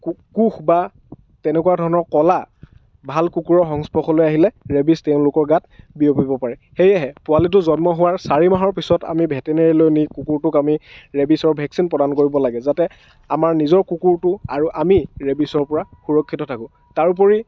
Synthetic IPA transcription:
kkuxba | tɛnɛkuadʱɔɹɔnɔɹkɔla | bʱalkukuɹɔxɔŋspɔxɔlojaɦilɛɹebistɛʊ̃lʊkɔɹɡat̚biopibɔpaɹɛxejaɦɛpʊalit̬ʊzɔnmɔɦʊwaɹsaɹimaɦɔɹpisɔta̰mibʱɛtɛneɹilojnikukuɹtʊkamiɹebisɔɹbʱɛksinpɹɔdankoɹibɔlaɡɛzatɛ | amaɹnizɔɹkukuɹtʊa̰ɹuʔamiɹebisɔɹpɔɹaxuɹɔkʰːitɔtʰakʊ̃ | taɹup̬ɔɹi

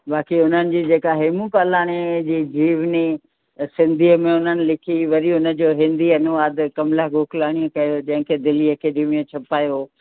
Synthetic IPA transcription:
baːkiʊn̤ənɪ̆d͡ʑiːd͡ʑeːkaɦeːmukaːlaːɽ̃ed͡ʑiːd͡ʑiːʋni | sɪ̃nd̪ʱiːəmẽʊn̤ənɪ̆lɪkʰiʋɐɾiʊnə̆d͡ʑoːɦɪ̃nd̪iɐnʊʋaːd̪kɐmlaɡʱoːkʰlaːɽ̃ijõkɐjod͡ʑɐ̃ɦɪ̃kʰeːd̪ɪliɐkeɖiːmiõt͡ɕʰɐpaːjoː

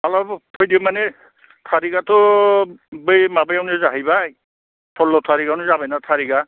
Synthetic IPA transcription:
alɔbtʰojdiomanɛ | tʰaɾiɡat̪ɔ | bəjmabejanizaɦibaj | tʰɔlːɔt̪ʰaɾiɡanuzabɛnat̪ʰaɾiɡa

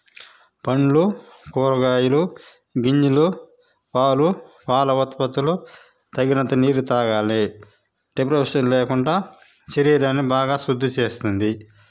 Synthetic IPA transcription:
pɐɳlu | kɔːɾɐɡaːjulu | ɡiɲd͡ʒulu | ʋaːlu | ʋaːlɐʋɐt̪pɐt̪ulu | t̪ɐɡinɐnt̪ɐniːɾut̪aːɡaːli | ɖepɾɐpʂɐnleːkuɳɖaː | t͡ʃeɾiːɾɐnːibaːɡaːsud̪ʱːut͡ʃe̞ːst̪und̪i

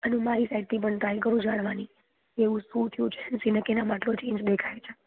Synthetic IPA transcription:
ənumaɾisaiɖ̚t̪ʰip̬əɳt̪ajkəɾũd͡ʒaɽ̃ʋani | eʋũsũt̪ʰijũt͡ʃʰeənsinekenamaʈlot͡ʃẽːɲd͡ʒd̪ekʰajt͡ʃʰe̥

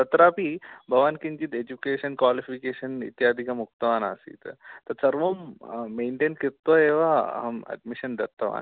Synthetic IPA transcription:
sɐt̪ɾapibʱɐʋaːnkiɲd͡ʑit̪ed͡ʑukeʃənkʋaːlifikeːʃənḭt̪jaːd̪ʱikɐmuk̚t̪ɐʋaːna̰sḭːt̪t̪ɐɾsɐɾʋomːeːɳʈeːnkiɾt̪ːoeʋamɛ̰ɖmiɕənd̪ɐt̪ːɐʋa̰n

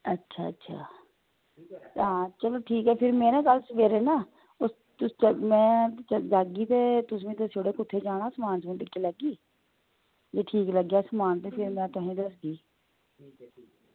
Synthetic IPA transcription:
ətːʃʰa̰ːətːʃʰa̰ː | ɦãːt͡ʃəloːʈʰiːkɦɛːpʰɪɾmeːɾẽːkəlsʋeːɾẽːnaː | ʊs | t̪ʊst͡ʃəmɛ̃ːt͡ʃəd͡ʒaːɡiːt̪eːt̪ʊs̬ʋẽːd̪əsoːɽeːkʊt̪ʰːeːd͡ʒaːɽaːsəmaːnt͡ʃẽːlɪkʰːiːləɡiː | d͡ʒeːʈʰiːkləɡjaːsəmaːnt̪eːpʰɪɾmɛ̃ːt̪ʊɦẽːd̪əsɡiː

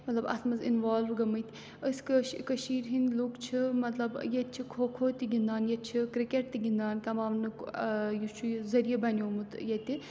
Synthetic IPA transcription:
mɐt̪lɐbɐ̰smɐzḭnʋaːlʋɡɐmɐt̪ʲ | əskkɐʃiːɾɦinʲlukt͡ʃʰimɐt̪lɐbjet̪̚t͡ʃʰikʰoːkʰoːt̪ʲiɡʲind̪aːnjɐt̪̚t͡ʃʰikɾikeʈ̚t̪iɡind̪aːnkɐmaːʋnɨjut͡ʃʰuzɐɾijɐbɐnʲoːmɨt̪jet̪i

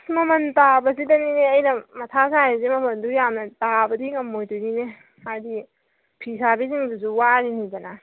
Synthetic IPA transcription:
mɐmɐntabɐsidɐnineɐjnɐmɐtʰasajezimɐmɐndujamnɐtabɐdikɐmojtunine | ajdi | pʰisabiziŋbuzuwaɾinidɐna

